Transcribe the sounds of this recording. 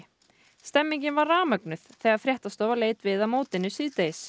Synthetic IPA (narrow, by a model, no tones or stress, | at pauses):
st̪ɛmːiɲcɪnvarːaːmœknʏθθɛːɣaɾfɾjɛht̪ast̪ɔːwvaɾleːjt̪vɪðamoːwt̪ɪnːʏsiːt̪ejs